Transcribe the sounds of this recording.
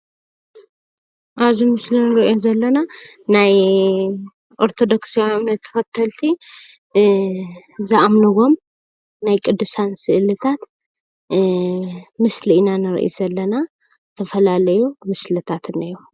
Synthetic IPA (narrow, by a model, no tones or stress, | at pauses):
ʔaβzimɨslinɨɾʔionzɐlːɐna | naj | ʔo̞ɾt̪ʰo̞d̪o̞ksiomamnɐt̪ʰːɨ̥fɐt̪ʰːɐlt̪ʰi | zɨʔamnɨɣo̞m | najkʼɨd̪ːusansɨʔlɨt̪ʰat̪ | mɨslinanɨɾ̰ʔḭzɐlːɐna | t̪ʰɐfɐlalɐjumɨslɨt̪ʰat̪ɨnːaju